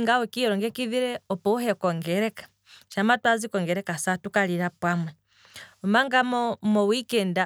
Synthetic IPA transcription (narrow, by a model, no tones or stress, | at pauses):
ŋɡawɔkiɔɾɔŋɡɛkiðiɾɛɔpɔhɛkɔŋɡɛɾɛkḁ | ʃamatwazikɔŋɡɛɾɛkasatukaliɾapwamwɛ | ɔmaŋɡamɔmɔwikɛnda